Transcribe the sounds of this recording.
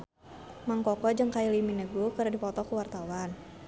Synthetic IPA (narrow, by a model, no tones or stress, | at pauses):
maŋkɔkɔd͡ʒəŋkajiliminəɡukəɾadipɔt̪ɔkuwart̪awan